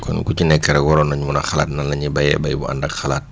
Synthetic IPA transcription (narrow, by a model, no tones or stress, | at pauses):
kɔ̰nkut͡ʃinɛkːɛɾɛɡɔɾɔnaɲmunaxala̰ːt̚nanlːaɲibajɛ̰bajbṵʔa̰ndakxalaːt̚